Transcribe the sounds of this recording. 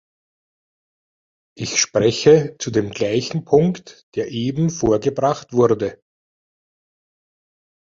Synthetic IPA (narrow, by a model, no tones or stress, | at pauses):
ʔɪçʃpʁɛçət͡sudeːmɡlaɪçn̩pʰʊŋktd̥eːɐʔeːbm̩foːɐɡəbʁaχtv̥ʊɐdə